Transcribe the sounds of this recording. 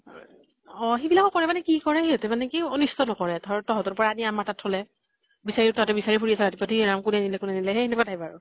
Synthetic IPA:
ɔxibilakɔkɔɹɛmanɛkikɔɹɛeɔtɛmanɛkionistɔnɔkɔɹɛtʰɔɹtɔɦɔtɔpɔɹaːniamatatʰolɛ | bisaɹitɔɔtɛbisaɹipʰuɹiasɛɹatipɔtʰinamkunɛnilɛkunɛanilɛɦɛenɛkatʰajbaɹʊ

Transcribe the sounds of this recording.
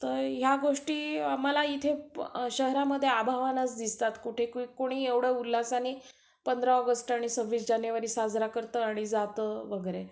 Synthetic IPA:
t̪əɾɦjaɡoʂʈiːamalait̪ʰeɕəɦɾaməd̪ʱːjeabʱaʋanat͡sd̪ist̪at̪kuʈʰekuikoɽ̃iːeʋɽəulːasani | pənd̪ɾəɔɡəsʈaɽ̃isəɾʋiːsd͡ʑanjeʋəɾiːsad͡zɾakəɾt̪əaɽ̃id͡zat̪əʋəɡəɾe

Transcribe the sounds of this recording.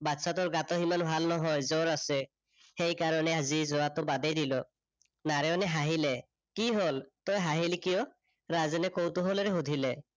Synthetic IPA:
batsatɔɹɡat̪ɔɦimanbʱalnɔɦɔjzɔɹasɛ | xejkaɹɔnɛazizɔat̪ʊbad̪ɛjdilɔ | naɹɛɔnɛɦaɦilɛ | kiɦoltɔjɦaɦilikijɔ | ɹazɛnɛkowtʊɦolɔɹɛɦudʱilɛ

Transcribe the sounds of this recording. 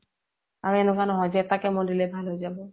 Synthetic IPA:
aɹuɛnʊkanɔɦɔjzɛɛtakɛmɔdilɛbʱalɦojzabɔ

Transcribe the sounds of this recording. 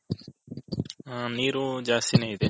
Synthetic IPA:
ãːniːɾoːd͡ʒaːsineĩd̪eː

